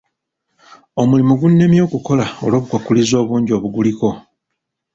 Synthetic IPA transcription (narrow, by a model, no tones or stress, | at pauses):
o̞mulimuɡunːe̞mjo̞ːkuko̞lao̞̰lo̞ːβukwakulizo̞ːβuːɲɟo̞βuɡuliko̞